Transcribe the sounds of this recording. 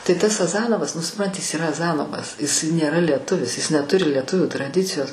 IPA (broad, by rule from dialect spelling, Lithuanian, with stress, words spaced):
tɐɪ ˈtɐs ɐˈzɑːnoːʋɐs nʊ sʊpˈrɐnʲtʲɪ jɪs iːˈrɐ ɐˈzɑːnoːʋɐs jɪs nʲeːˈrɐ lʲiɛˈtʊʋʲɪs jɪs nʲɛˈtʊrʲɪ lʲiɛˈtʊʋʲuː trɐˈdʲɪt͡sʲɪjoːs